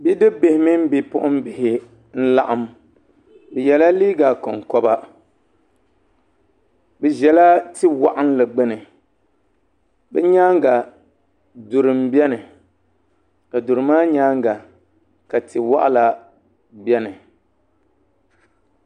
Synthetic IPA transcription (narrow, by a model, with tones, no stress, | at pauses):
bi˦dɨ˦be˨hɪ˦mi˦m̩˦bi˨pʊ˦ʔʊ˦m˦bɪ˨hɪ˨ | n̩˦la̰˦ʔa˦m | bɛ˨jɛ˨la˦liː˦ɡa˨kɔ˨ŋkɔ˦ba˦ | bɛ˨ʒɛ˨la˦ti˦wa̰˦ʔa˦n˦lɨ˨ɡ͡bɛ˦nɨ˨ | bɛ˦ɲaː˦ŋɡa˨ | dʊ˨ɾɨ˨mbɛ˦nɨ˨ | ka˨dʊ˨ɾɨ˨maː˦ɲaː˦ŋɡa˨ | ka˨tɪ˨wa̰˦ʔa̰˦la˨ | bɛ˦nɨ˨